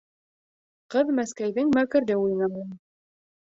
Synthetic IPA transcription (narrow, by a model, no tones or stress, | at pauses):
qɤðmæskæjðɘŋmækɘ̆ɾd̪ɘujnɑmɤn